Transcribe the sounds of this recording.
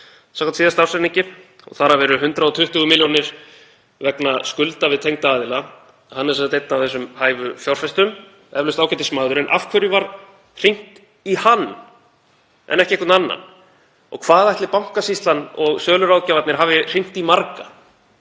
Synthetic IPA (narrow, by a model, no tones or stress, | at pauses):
sãŋkʰat̪siːðast̪awrsɛniɲcɪ | ɔ̰ɣθaɾavɛːɾʏɦʏnt̪ɾaðɔt̪ʰʏht̪ʏɣʏmɪljɔnɪɾ̥ | vɛknaskʏlt̪avɪðt̪ʰejŋt̪aaːðɪla | hanːɛɾsɛsat̪ejt̪nawvθɛsːʏmhaːjvʏfjawɾ̥fɛst̪ʏm | ɛvlʏst̪aːwcɛt̪ɪsmaːðʏɾɛnʔa̰fkʰvœɾjʏvaɾ | r̥iŋ̥t̪ | ihanː | ʔɛ̰nɛhcɪekʏt̪nanːa̰n | ɔ̰ɣkʰvaːðajht̪lɪpawŋ̥kasist̪lanɔɣsœːlʏɾawðcavat̪nɪɾ̥ɦavɪr̥iŋ̥t̪imaɾka